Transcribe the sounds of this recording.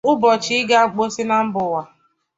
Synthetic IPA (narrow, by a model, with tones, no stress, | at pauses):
ʊ˦bɔ˨t͡ʃi˦ɪ˦ɡa˦˨k͡po˦si˦na˦m̩˦bʊ˨wa˨